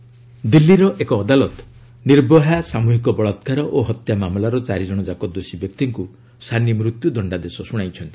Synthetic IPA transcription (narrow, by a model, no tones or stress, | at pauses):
d̪ilːiɾɔʔekɔːd̪alɔt̪ɔ̥ | niɾbɔɦasamuɦikɔbɔɭɔt̪kaɾɔʔoɦɔt̪jamamlaɾɔt͡ʃaɾid͡ʒɔɽ̃ɔd͡ʒakɔd̪osibjɔk̚t̪iŋku | st̪ʰanimɾut̪jud̪ʱɔɳɖad̪esɔsuɽ̃ajt͡ʃʰɔnt̪i̥